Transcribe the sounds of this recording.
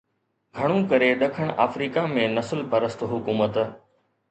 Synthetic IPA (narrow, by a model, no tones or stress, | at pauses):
ɡʱɐɽ̃ũkɐɾeɗɐkʰəɽ̃ʔa̰ːfɾiːkamẽnɐsəlpɐɾəst̪ɦʊkuːmət̪